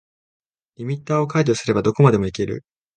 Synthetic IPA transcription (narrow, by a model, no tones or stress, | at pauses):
ɾʲimʲit̪ːaːo̞kaid͡ʑo̞sɨɾe̞bad̪o̞ko̞mad̪e̞mo̞ike̞ɾɯ̰